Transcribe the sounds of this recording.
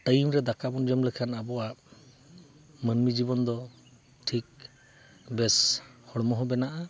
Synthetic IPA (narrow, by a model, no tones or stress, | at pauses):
ʈəjmɾɛd̪akabɔnd͡ʒəmlɛkʰanabɔwaʔ | mənmid͡ʒibɔnd̪ɔ | ʈʰik̚ | bɛshɔɽmɔɦɔbɛnaʔa